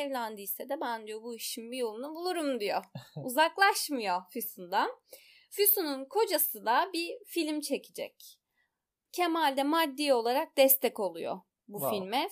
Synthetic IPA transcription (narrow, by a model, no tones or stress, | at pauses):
ɛvlʲænd̪isɛd̪ɛbænd̪ijo̞buiʃimbijolˠunabulˠuɾumd̪ijouzaklˠaʃmɯjo̞fysund̪an | fysununkʰo̞d͡ʒasɯd̪abifilʲmt͡ʃʰe̞cʰid͡ʒɛ̰c | cʰemalʲd̪ɛmad̪ːio̞lˠaɾak̚d̪ɛst̪ʰɛco̞lˠujo̰ | bufilʲmɛ